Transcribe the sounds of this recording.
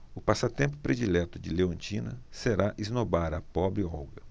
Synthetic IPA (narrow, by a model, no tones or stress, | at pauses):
ʊpasɐt̪ẽmpʊ̥pɾed͡ʒilɛt̪ʊd͡ʒɪleõnt͡ʃĩnɐ̰seɾaʔiznobaɾɐpɔbɾɪɔwɡɐ